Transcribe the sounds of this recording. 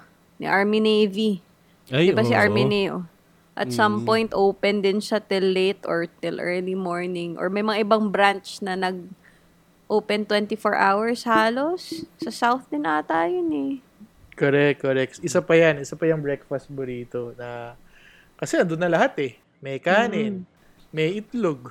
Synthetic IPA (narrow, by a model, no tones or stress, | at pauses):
nɪ̰ʔaɹminejvi | dɪbasiʔaɹminɛjo | ʔɐ̰t̪sɐmpõjnt̪ʔowpɛnd̪ɪnsɐt̪ɪlːejt̪o̰ɹt̪ɪlʔɛːɹlimoɹnɪŋʔo̰ɹmɐjmɐŋaʔɪbɐŋbɾant͡ʃnɐnɐɡ̚ | ʔoːpɛnt̪wɛnt̪ɪfoɹʔa̰wɐɹshaːlosːɐsawθd̪ɪnʔat̪aːjonɛ | koɾɛk̚koɾɛk̚t̪ʔɪsapɐjanʔɪsapɐjʊŋbɹɛk̚fɐst̪̚bʊɾiːt̪onɐ | kɐsɛɐnd̪onːɐlɐɦat̪ɛ | mɛjkaːnɪn | mɛjɪt̪loɡ